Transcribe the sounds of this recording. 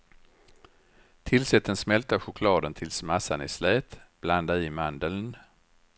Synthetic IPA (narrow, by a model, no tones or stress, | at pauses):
t̪ʰɪlsɛt̪ʰːənsmɛlt̪aɧʊkʰlɑːd̪ənt̪ʰɪlsmasanɪslɛːt̪b̥land̪aɪːmand̪əln